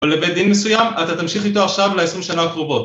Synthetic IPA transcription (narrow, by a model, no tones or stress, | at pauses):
volevejd̪inmesujamat̪at̪amʃiχit̪oaχʃavleesʁimʃanakʁobo̞t